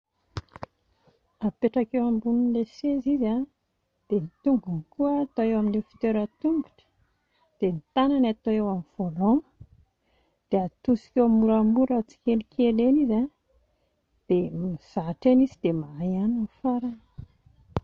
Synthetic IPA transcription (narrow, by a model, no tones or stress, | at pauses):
apeʈ͡ʂakewambunuleseziza | d̪̥enit̪uŋɡunikuəːt̪oewaminlefi̥t̪eɾət̪umbiʈ͡ʂə̥ | d̪̥enit̪ananat̪oewamiv̥olo | d̪̥eat̪usi̥kʲewamuɾamuɾət͡si̥kelikʰeleniza | d̪̥emiz̥aʈ͡ʂenizid̪̥emaajananfaɾan